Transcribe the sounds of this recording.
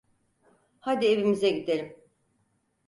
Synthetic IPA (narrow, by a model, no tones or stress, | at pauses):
had̪ieβimizɛɟid̪e̞ɾim